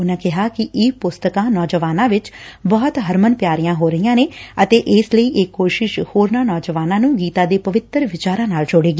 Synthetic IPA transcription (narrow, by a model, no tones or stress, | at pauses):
ʊnãːkɪɦaːkɪʔɪːpʊst̪əkãːnɔːd͡ʒəʋaːnãːʋɪt͡ʃbɔːt̪ɦəɾmənpjaːɾijãːɦoːɾəijãːneːət̪eːʔɪːsləiːʔɪkːoːʃɪʃhoːɾnãːnɔːd͡ʒəʋaːnãːnũːɡiːt̪aːd̪eːpəʋɪt̪əɾʋɪt͡ʃaːɾãːnaːld͡ʒʊɽeːɡiː